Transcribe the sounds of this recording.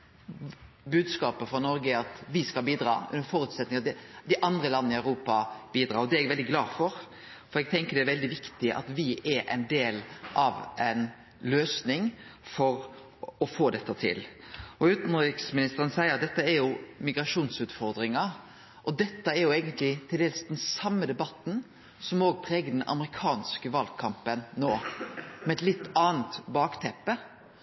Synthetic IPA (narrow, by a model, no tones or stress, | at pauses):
bʉːd̪skɑːpəfɾɑnɔɾɡəɑt̪ʋɪskɑlbiːd̪ɾɑ̰ːʉ̰nːəɾfɔːɾʉːt̪sɛt̪nɪŋɑt̪d̪d̪ɪʔɑnd̪ɾəlɑnːəɪæʉɾuːpɑb̥iːd̪ɾɑːɾɔd̪ɛɛɡʋɛld̪ɪɡlɑːfɔɾ | fɔɾɛɡ̚t̪ʰɛŋkəd̪ɛæɾʋɛld̪ɪʋɪkt̪ɪʔɑ̰t̪ʋɪɛɾɛ̰ɪnd̪eːlʔɑʋʔɛɪn | løːsnɪŋfɔɾ | ɔfoːd̪ɛt̪ːət̪ʰɪ̰lɔʉːt̪n̩ɪksmɪnɪst̪əʁənsæɪəɾɑt̪d̪ɛt̪ːəæɾjʊmɪɡɾɑʂuːnsʉːt̪fɔɾd̪ɾɪŋɑ | ʔɔd̪ɛt̪ːəæɾjʊeːɡənt̪lɪt̪ʰɪld̪eːlsd̪ɛnsɑmːəd̪ɛbɑt̪n̩ | sɔmoːɡ̚pʰɾeːɡəd̪ɛnʔɑ̰mɾɪkʰɑːnskəʋɑlkʰɑmpənːoːmɛɛt̪lɪt̪ːɑːnt̪bɑːkt̪ʰɛpːə